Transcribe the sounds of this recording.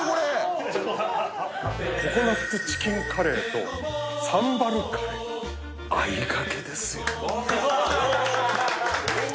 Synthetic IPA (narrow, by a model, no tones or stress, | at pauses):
koɾe | kokonakt̪ːet͡ɕi̥kʲiŋkʰaɾe̞ːt̪o̞̰ | sãmbaɾɯ̟kʰaɾe | aiɡake̞d̪e̞sɨjo